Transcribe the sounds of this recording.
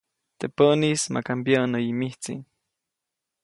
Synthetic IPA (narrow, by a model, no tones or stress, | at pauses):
t̪epənisma̰kampjanojimiht͡sḭn